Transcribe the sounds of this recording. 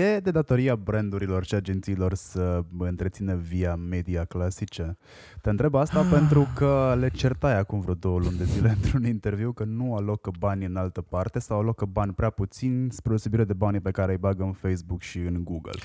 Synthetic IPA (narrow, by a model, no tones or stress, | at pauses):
jed̪e̞d̪at̪o̞ɾiabɾend̪uɾilo̞rʃiad͡ʒent̪siːlo̞rsəɨnt̪ɾet̪sinəviame̞d̪iaklasit͡ʃe̞ | t̪eɨnt̪ɾebast̪ape̞nt̪ɾukəle̞t͡ʃe̞rt̪ajakumvɾod̪o̞wəlund̪e̞zile̞ɨnt̪ɾunint̪e̞rviwkənualo̞kbanʲɨnalt̪əpart̪e̞sawalokbanʲpɾeaput̪sinʲspɾeosebiɾed̪e̞banʲpe̞kaɾe̞əjbaɡəɨnfejsbukʃiɨnɡuɡə̰l